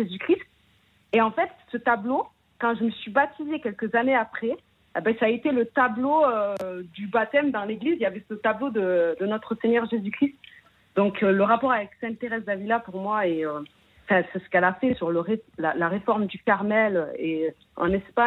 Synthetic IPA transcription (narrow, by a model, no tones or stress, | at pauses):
ʒezykχist̪̚ | eɑ̃fɛt̪sət̪ablo | kɑ̃ʒəməsɥibat̪ʰizekʲɛlkəzaneapχɛ | ebɛsaet̪elət̪abloød̪ybat̪ɛmd̪ɑ̃leɡlizijavɛsət̪ablod̪əd̪ənɔt̪χəseɲœʁʒezykχist̪ | d̪ɔ̃kʰøləʁapɔʁavɛksɛ̃t̪eʁɛzd̪avilapuʁmwaeø | ɑ̃fɛ̃sɛsə̥kɛlafɛsyʁləʁelalaʁefɔʁmd̪yfɛʁmɛle | ɑ̰̃nɛspa